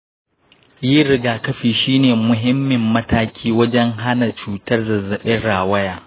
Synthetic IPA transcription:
ji˦ɾɪ˦ɡaː˨kɐ˦ɸiː˨ʃiː˦neː˨mʊ˨ɦɪ˦mːɪ˨mːɐ˦taː˦kʲʰiː˦wɐ˦d͡ʒɛ˦ŋɦa˦na˨t͡ʃuː˨tɐ˦rzɐ˨zɐ˨ɓɛ˦ɽaː˨wɐ˦jaː˨

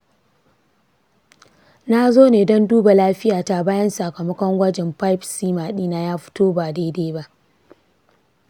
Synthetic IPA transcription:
na˦zoː˦neː˨dɔ˦nduː˦ba˨laː˦ɸɪ˦jaː˨ta˨baː˦jɐ˦nsa˨kɐ˨mɐ˦kʷɔ˦ŋɡʷɐ˦d͡ʒɛ˨mɸa˦jpsiː˦maː˨ɗiː˦na˦jaː˦ɸɪ̥˦toː˦baː˨de˦deː˦ba˦ʔ

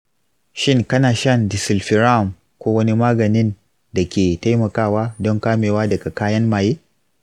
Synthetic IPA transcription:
ʃɪ˦ŋkɐ˦naː˨ʃɐ˦ndɪ˨sɪ˨lɸɪ˨ɾa˦˨m | kʷoː˦wɐ˦ni˦maː˦ɡɐ˨nɪ˦n | da˨kʲeː˨ta˦jmɐ˨kaː˦˨waː˦dɔ˦ŋkaː˦meː˨waː˦dɐ˨ɡa˨kaː˦jɐ˦nmaː˨jeː˦

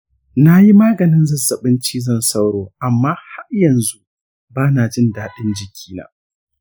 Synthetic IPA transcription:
na˦ji˦maː˦ɡɐ˨nɪ˦nzɐ˦zɐ˨ɓɪ˦nt͡ʃiː˦zɐ˦˨nsa˦wɽoː˨ʔa˨mːaː˦ha˦jɐ˨nzu˦ | baː˦na˨d͡ʒɪ˦ndaː˨ɗɪ˦nd͡ʒɪ˨kʲʰiː˦na̰ː˦

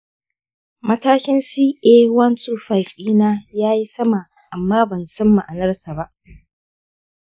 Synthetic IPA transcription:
mɐ˦taː˦kʲɪ˦nsiː˦ʔeː˦wɐ˦nsʼuː˦ɸa˨jɸiː˦naː˦jaː˦ji˦sɐ˦ma˨ | ʔa˨mːaː˦bɐ˨nsɐ˦mːa˨ʔa˨nɐ˦rsa˨ba˦ʔ

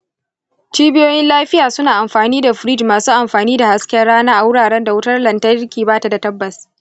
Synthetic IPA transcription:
t͡ʃiː˦bɪ˦joː˦jɪ˦nlaː˦ɸɪ˦jaː˨sʊ˦naː˨ʔa˨mɸaː˨niː˦da˨ɸɪ˨ɾi˦˨d͡ʒmaː˨suː˦ʔa˨mɸaː˨niː˦da˨ha˦skʲɛ˦rɽːaː˦naː˦ʔa˨wʊ˦ɽaː˨ɽɛ˦nda˨wʊ˦tɐ˦rlɐ˨ntɐ˦kʲiː˨baː˦ta˨da˨tɐ˦bːɐ˨s

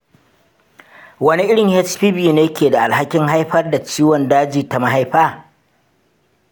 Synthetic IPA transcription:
wɐ˦ni˦ʔɪ˦ɽɪ˨ŋhɛ˦t͡ʃɸiː˦biː˨neː˦kʲeː˨da˨ʔa˨lha˦kʲɪ˦ŋɦa˦jɸɐ˦rda˨t͡ʃiː˦wɔ˨ndaː˦d͡ʒiː˨ta˨ma˦ɦa˦jɸaː˦

